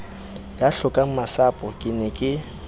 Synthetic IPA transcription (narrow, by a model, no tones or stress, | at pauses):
jaɬʊkʼaŋ̩masapʼɔkʼɪnɛkʼɪ